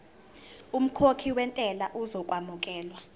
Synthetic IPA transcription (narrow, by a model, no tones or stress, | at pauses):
um̩kʰokʰiwɛntʼɛlaʔuzɔkʼwamukʼɛːlwa